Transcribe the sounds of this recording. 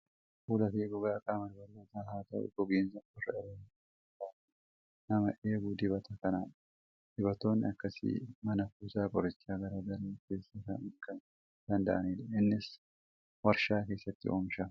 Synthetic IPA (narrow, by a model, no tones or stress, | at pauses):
fuːlɐfeːɡɔɡakʼaːmɐlbɐɾbɐt̪aːhaːt̪ɐ̰ʔɛ̰ɡɔɡeːnsɐkɔrːɐ̰ɪɾɐnː | t̪aː | nɐmɐʔe̞ːɡud̪ɪβɐt̪ʰɐkɐnaːᶑ | d̪̥ɪβɐt̪o̞ːnːɪ̰ɐkːɐsɪ̰mɐnɐkuːsaːkʼɔɾɪt͡ʃːaːɡɐɾaːd̪ɐɾɐːkeːsːɐkɐnɪŋkɐn | d̪̥ɐnd̪ɐ̰ʔɐniːlɐɪnːɪs | wɐɾʃaːke̞ːsːɐt̪ːɪ̰ʔo̰ːmʃɐ